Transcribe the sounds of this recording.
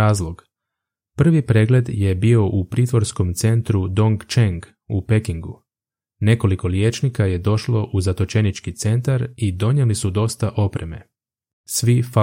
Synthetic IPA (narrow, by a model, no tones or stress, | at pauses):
aːzlˠo̞ɡ | pr̩ʋipɾe̞ɡle̞d̪je̞bio̞ʔupɾiːt̪ʋo̞ɾsko̞mt̪se̞nt̪ɾud̪o̞ŋɡt͡ʃeŋɡ | upe̞kiŋɡu | ne̞ko̞liko̞lje̞ːt͡ʃnikaje̞d̪o̞ʃlo̞ʔuzat̪o̞t͡ʃe̞nit͡ʃkit̪se̞nt̪aɾid̪o̞ɲelisud̪o̞st̪aʔo̞pɾe̞me̞̰ | sʋifa